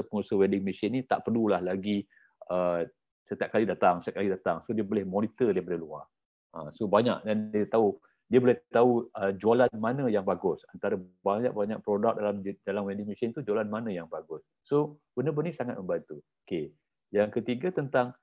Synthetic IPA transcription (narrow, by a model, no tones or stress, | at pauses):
əpəŋusəwɛdɪŋmisɪnit̪a̰ʔpərlulahlaɡi | ə | sət̪iap̚kalidat̪aŋsət̪jaʔ̚kalidat̪aŋsodiəbolɛhmɔnit̪ədiəbolehlua̰r | ə̃sobaɲa̰k̚dandiət̪au | diəbolɛht̪auəd͡ʒualanmanə̃jaŋbaɡʊsant̪aɾəbaɲa̰k̚baɲak̚pɾodak̚dalamdalamwedɪŋmisɪnt̪ud͡ʒualanmanə̃jaŋbaɡʊsːob̥əndəbənisaŋat̪̚mə̃mbant̪uoke | jaŋkət̪iɡat̪ənt̪aŋ